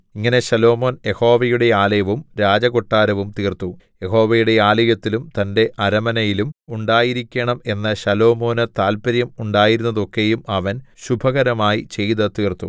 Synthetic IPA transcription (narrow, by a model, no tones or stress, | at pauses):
iŋːɐne̞ɕɐlo̞ːmo̞ːnje̞ho̞ːʋɐjuɽe̞aːlɐjɐʋumɾaːd͡ʑɐɣoʈːaːɾɐʋumt̪iːrt̪u | je̞ho̞ːʋɐjuɽe̞aːlɐjɐt̪ːilumt̪ɐnde̞ʔɐɾɐmɐnɐjilumuɳɖaːjiɾikʲːɐɳɐme̞nːɐɕɐlo̞ːmo̞ːnɐt̪aːlpɐɾjɐmuɳɖaːjiɾunːɐðo̞kːe̞jumɐʋɐnɕubʱɐɣɐɾɐmaːjit͡ɕe̞jðɐt̪iːrt̪ṵ